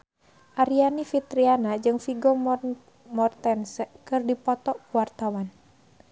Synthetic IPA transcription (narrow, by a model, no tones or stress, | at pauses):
ʔaɾianifit̪ɾianad͡ʒɨŋfiɡɔ | mɔrt̪ɛnsɛkɨrdipɔt̪ɔkuwart̪awan